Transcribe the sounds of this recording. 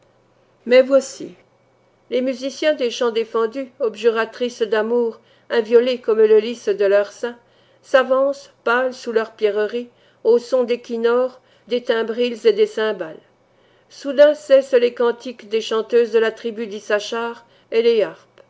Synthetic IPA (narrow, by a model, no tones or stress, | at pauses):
mɛvwasḭ | lemyzisjɛ̃d̪eʃɑ̃d̪efɑ̃d̪yɔbʒyʁat̪χisd̪amuːʁ | ɛ̃vjɔlekɔmləlisd̪əlœʁsɛ̃ | savɑ̃spalsulœʁpjɛʁəʁi | osɔ̃d̪ekʲinɔʁ | d̪et̪ɛ̃bʁilzed̪esɛ̃bal | sud̪ɛ̃sɛslekɑ̃t̪ikd̪eʃɑ̃t̪øzd̪əlat̪χibyd̪isaʃaʁ | eleaʁp